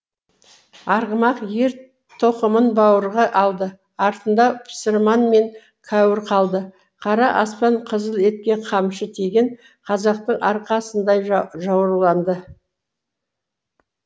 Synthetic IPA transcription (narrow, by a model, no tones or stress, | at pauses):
ɑɾʁəmɑqje̞ɾ | t̪ʰo̞qəmənbɑwəɾʁɑʔɑlˠd̪ə | ɑɾt̪ənd̪ɑpʰsəɾmɑnme̞ŋ | kʰɑwɪɾqʰɑlˠd̪ə | qʰɑɾɑʔɑspɑɴqʰəzəlˠe̞t̪̚kʲe̞qʰɑmʃət̪ʰe̞ɡʲeɴ | qʰɑzɑq̚t̪əɴɑɾqɑsənd̪ɑjʒɑwɾəlˠɑnd̪ə